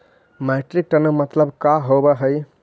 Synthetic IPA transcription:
meʈɾik̚ʈənəmət̪ləbkaɦobəɦəj

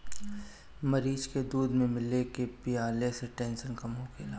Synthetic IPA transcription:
mɐɾiːd͡ʒked̪uːd̪mẽmɪlekepɪaːleseʈɛ̃ːnʃənkɐmɦokʰeːla

